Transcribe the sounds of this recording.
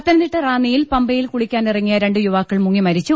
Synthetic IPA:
ɐt̪ːɐnɐt̪iʈːɨraːnːijilpɐmbɐjilkuɭikʲːaːnirɐŋːijɐɾe̞ɳɖɨjuʋaːkːɐɭmuŋːimɐɾit͡ɕːu

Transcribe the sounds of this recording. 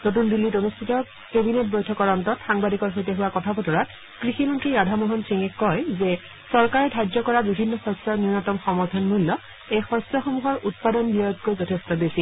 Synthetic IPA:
not̬undilːitonistʰitɔ | kebinet̚bojtʰɔkɔɹɔntɔtxaŋbadikɔɹɦojteɦuwakɔtʰapɔtɔɹat̚ | kɹiximɔntɹiadʱamoɦɔnsiŋɛkːɔjzɛ | sɔɹkaɹɛdʱad͡ʒɔkɔɹabibʱinːɔxɔsɔɹninɔtɔmxɔmɔɹtʰɔnmulːɔ | ejxɔsɔxomuɦɔɹʔut̚padɔnbiɔjɔt̚kojzɔtʰestɔbesi

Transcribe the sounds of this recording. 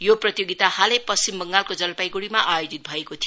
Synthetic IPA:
joprʌt̪joɡit̪ahalepʌst͡simbʌŋɡalkod͡zʌlpajɡuɽimaʔajod͡zit̪̚bʱʌekot̪ʰi

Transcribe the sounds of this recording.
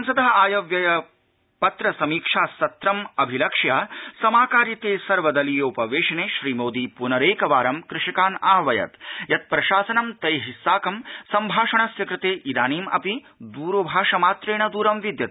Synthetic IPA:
ɐnsɐd̪ɐɦɐaːjɐʋjɐjɐ | pɐt̪ɾɐsɐmiːkʂaːsɐt̪ɾɐmɐbʱilɐkʂjaːsɐmaːkaːɾjit̪eːsɐɾʋɐd̪ɐliːjupɐʋeːʃɐneːʃɾiːmoːd̪iːpunɐɾeːkɐʋaːɾɐmkɾɪʃikaːnaːʋɐjɐ̰t̪jɐt̪̚pɾɐʃaːsɐnɐmt̪ɐjɦisːaːkɐmsɐmbʱaːʂɐɳɐsjɐkɾɪt̪eːʔid̪aːniːmɐ̰pi | d̪uːɾoːbʱaːʂɐmaːt̪ɾeːɳɐd̪uːɾɐmʋid̪jɐt̪

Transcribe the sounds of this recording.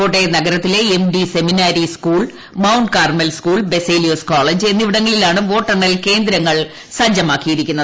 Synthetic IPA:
o̞ːʈːenɐɡɐɾɐt̪ːile̞emɖise̞minaːɾiskuːɭ | mɐwɳɖkaːrmelskuːɭbe̞seːlijoːskoːɭed͡ʑe̞nːiʋiɽɐŋːɐɭilaːɳɨʋo̞ːʈːɐɳɐlke̞ːnd̪ɾɐŋːɐɭ | sɐɲd͡ʑɐmaːkːijiɾikʲːunːɐ

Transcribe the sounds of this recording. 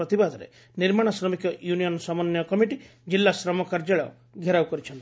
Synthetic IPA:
ɔt̪ibad̪ʱɔɾḛ | niɾmaɽ̃ɔsɾɔmikɔjunijɔnɔsɔmɔnjɔkɔmiʈi | d͡ʒilːasɾɔmɔkaɾd͡ʒaɭɔ̰ | ɡʱeɾawkɔɾit͡ʃʰɔnt̪i

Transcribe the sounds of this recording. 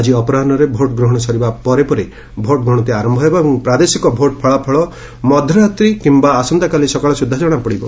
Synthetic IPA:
ad͡ʒiɔpɔɾanɔɾebʱoʈɡɾɔɦɔɽ̃ɔsɔɾibapɔɾepɔɾi | bʱoʈ̚ɡɾɔɦɔ̃ɔt̪iaɾɔmbʱɔɦjbɔebɔŋpɾad̪esikɔbʱoʈ̚pʰɔɭapʰɔɭɔ | mɔd̪ʱɔɾat̪ɾikimbaːsɔnd̪akalisɔkaɭɔsud̪ʱːad͡ʒɔɽ̃apɔɽibɔ

